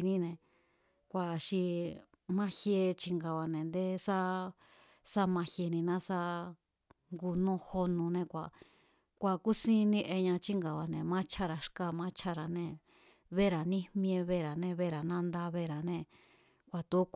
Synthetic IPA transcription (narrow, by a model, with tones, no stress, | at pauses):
nĩ˦nẽ˨ | kʷa˨ʃi˧ | mã˦hje˧t͡ʃi˧ŋɡa˨βa˨nẽ˨nd̪e˦sa˦ | sa˦mã˧he˧nĩ˧nã˦sa˦ | ŋɡu˧nõ˦ho˧nũ˧nẽ˧kʷa˨ | kʷa˨ku˦sĩ˦nĩ˧ʔe˧ɲã˧t͡ʃi˦ŋɡa˨βa˨nẽ˨mã˦t͡ʃʰa˦ɾa˧ʂka˦˧mã˦t͡ʃʰa˦ɾa˨nẽ˧ | βe˦ɾa˨nĩ˦mĩ˧ẽ˧βe˦˨ɾa˨nẽ˧βe˦ɾa˨nã˦nd̪a˧βe˧ɾa˨nẽ˧ | kʷa˨t̪u˧˦k